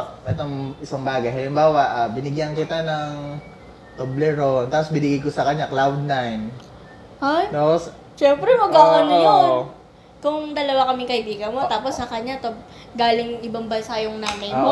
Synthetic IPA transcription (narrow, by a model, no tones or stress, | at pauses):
ʔɛt̪oŋɪsaŋbaːɡɐjɦɐlɪmbaːwɐʔabɪnɪɡjankɪt̪anɐŋ | t̪oblɛɾont̪aːposbɪnɪɡajkosɐkɐɲːaklawd̪̚najn | ʔajt̪aːpos | ʃɛmpɾɛmɐɡakɐnjo | kʊŋd̪ɐlɐwakɐmɪŋkɐhɪbiːɡɐnmo̞t̪aːposːɐkɐɲːat̪o | ɡaːlɪŋʔɪbɐŋbɐnsajʊŋnaːmɐjmo